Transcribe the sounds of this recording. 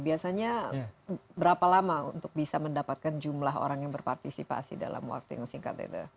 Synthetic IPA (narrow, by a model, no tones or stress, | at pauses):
biasaɲa | bəɾapalamaṵnt̪ʊk̚bisaməndapat̪̚kand͡ʒumlaɦo̰ɾaŋjaŋbərpart̪isipa̰sḭda̰la̰mwa̰k̚t̪ujaŋsiŋka̰t̪̚ɛ̰t̪ṵ